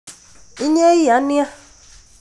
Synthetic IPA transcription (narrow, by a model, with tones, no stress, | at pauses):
i˦ɲe˦i˦a˨˦nɪ̃˦a˦